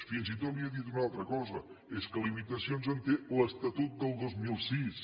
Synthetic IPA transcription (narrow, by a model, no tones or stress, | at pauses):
finzit̪ot̪̚liəðit̪unalˠt̪ɾəkɔzə | eskəlimit̪əsionzənt̪eləst̪ət̪ut̪̚d̪əlˠd̪ozmilˠsis